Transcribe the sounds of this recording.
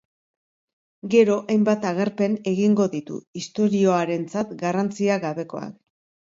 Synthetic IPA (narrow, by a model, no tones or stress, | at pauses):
ɡe̞ɾo̞ʔajmbat̪aɣ̞eɾpe̞ne̞ɣiŋɡo̞ðit̪ṵist̪o̞ɾio̞aɾe̞nt͡sat̪ɡarant͡siaɣaβe̞ko̞a̰k